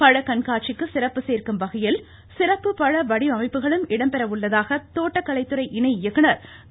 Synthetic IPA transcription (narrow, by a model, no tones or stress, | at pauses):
pɐɻɐkɐnkaːʈ̚t͡ʃɪkːɯsɪɾɐpːɯseːrkɯmʋɐɣɐjɪl | sɪrɐpːɯpɐɻɐʋɐɽiɐmɐɪpːɯɣɐɭɯmɪɽɐmpɛɾɐʋʊɭːɐðaːɣɐt̪oːʈːɐkːɐɭɐɪt̪ːɯɾɐɪʔɪnɐɪjɐɣːɯɳɐɾ